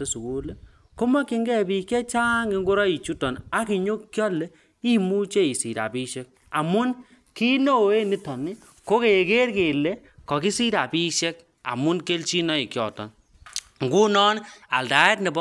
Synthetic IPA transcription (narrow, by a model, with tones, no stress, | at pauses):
e˦su˨ku˦le˦ | ko˦mɔ˦ki˦ŋɡɛ˦˨bi˨kɛ˦t͡ʃa˦ŋɡi˦ŋɡu˦ɾɔ˦i˨t͡ʃu˦tɔ˨na˦ki˨ɲo˦kkjɔ˦le˦ | i˦mu˦t͡ʃe˦i˨si˨ɾa̰˨pi˦ʃɛ˦k̚ | a˨mu˦n | ki˦no˦˨e˦ni˦tɔ˨mi˦ | ko˦ke˨ke˦rke˨le˦ | kɔ˨ki˦si˦ɾa˨pi˦ʃe˦k̚ | a̰˨mʊ˦nke˦lt͡ʃi˦nɔ˦i˨kjɔ̰˨tɔ̰˨n | ŋɡu˦nɔ˦na̰˨lda˨˦ɛ˦tnɛ˨b